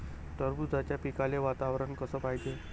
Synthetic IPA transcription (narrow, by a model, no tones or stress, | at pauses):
ʈəɾbud͡z̪ʱat͡ɕjapikaleʋat̪aʋɾənkəsəːpaɦid͡ʑe